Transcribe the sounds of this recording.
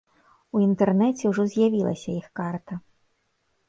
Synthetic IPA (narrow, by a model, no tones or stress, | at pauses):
uint̪ɛrnɛt͡sʲɛwʐɔzʲjavʲilˠɐ̰sʲɐixkart̪ɐ